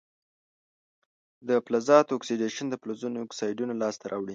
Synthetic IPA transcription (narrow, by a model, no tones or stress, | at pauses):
d̪əplazɑt̪oksiɖeʃənd̪əplozunoːksɑjɖunolɑst̪aɾʔɑwɽi